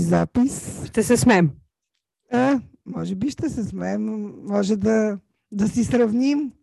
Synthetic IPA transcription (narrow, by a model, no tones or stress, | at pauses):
zapisʃt̪ɛsɛsmɛm | amɔʒɛbiʃt̪ɛsɛsmɛmːɔʒɛd̪ɐ | d̪ɐsisɾɐvnʲim